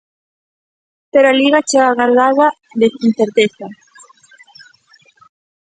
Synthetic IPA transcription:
t̪eɾaliɣat͡ʃeɣaɣaɾðaða | ðesinθeɾt̪eθa

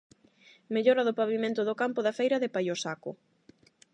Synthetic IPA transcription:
meʎɔɾɐðopaβimẽnt̪ʊðʊkampoðɐfejɾɐðɪpajosakʊ̰

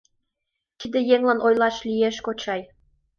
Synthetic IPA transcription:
t̪id̪ejeŋlɑnʔojlɑʃlieʃkot͡ɕɑj

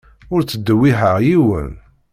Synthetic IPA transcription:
ʊɾt͡sːəd̪ːəwːiɦəʁjiwə̰n

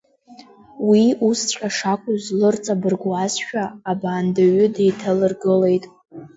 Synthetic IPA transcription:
wiust͡ɕʷʼaʂakʷʼʊzlɨrt͡sʼabɨrɡʷazʃᶣaːbaːndaɥʊdejtʰalɨrɡɨle̞jtʼ

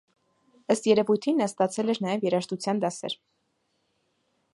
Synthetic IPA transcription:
əst̪jɛɾɛvujt̪ʰinːɑst̪ɑt͡sʰɛlɛɾnɑjɛvjɛɾɑʃt̪ut͡sʰjɑnd̪ɑsɛ̰ɾ

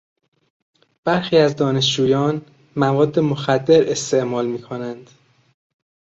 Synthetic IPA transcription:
b̥æɾxiːæzd̪ɒːne̞ʃd͡ʒuːjɒːn | mævɒːd̪ːe̞moxæd̪ːe̞ɾe̞st̪e̞ʔmɒːlmiːkʰonænd̪̥

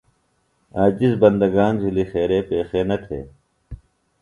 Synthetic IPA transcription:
aːd͡ʑizbɐnd̪ɐɡaːnzilixeːɾeːpeːxeːnɐt̪ʰḛː

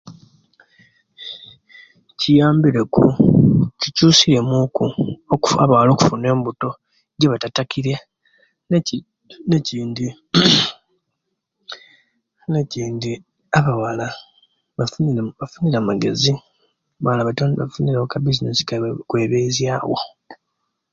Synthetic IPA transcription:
cijaːmbiɾe̞kṵcicuːsiɾe̞mukuoka̰βawalo̞ːku̥fune̞ːmbuto̞ | ɟeβatatakʰiɾe | neciːndi | neciːndi | aβawala | βaβafuniɾamaɡe̞zi | βawlaβatːnafuniɾawokabizinesi̥kkwe̞ːβezjaːwo̰

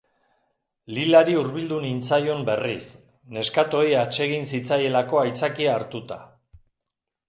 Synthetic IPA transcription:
lilaɾiuɾβild̪unint͡sajo̞mbe̞ris | ne̞skat̪o̞iat͡ʃe̞ɣ̞insit͡saje̞lako̞ajt͡sakiaːɾt̪ut̪a

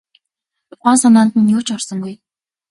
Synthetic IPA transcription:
t̪ʊχaːnsanaːnt̪ɘ̆njʊːt͡ɕɔrsɞ̆ŋɡuj

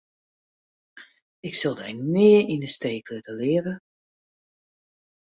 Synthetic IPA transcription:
ɪksølˠdɛjmɪːəɹinəsteːklɪtəlɪəɾə

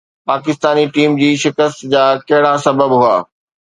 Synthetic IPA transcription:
paːkɪst̪aːniʈiːmd͡ʑiːʃɪkəst̪d͡ʑaːkɐɦɪɽasɐbəbɦʊaː

